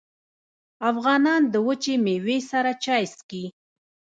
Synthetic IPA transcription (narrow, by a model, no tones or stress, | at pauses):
afɣɑnɑnd̪əwət͡ʃemewesaɾat͡ʃɑjski